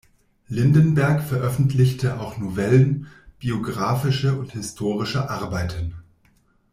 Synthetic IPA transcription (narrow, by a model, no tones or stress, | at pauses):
lɪndənbɛɐkfɛɐʔœfn̩tʰlɪçtʰəʔaʊxnovɛlənb̥ioɡʁaːfɪʃəʊnthɪstʰoːʁɪʃəʔaɐbaɪtʰən